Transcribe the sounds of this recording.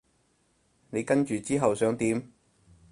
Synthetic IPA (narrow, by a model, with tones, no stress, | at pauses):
ne˨˧jkɐ˥nt͡ʃyː˨t͡siː˥ɦɐ˨wsœː˨˥ŋt̪iː˨˥m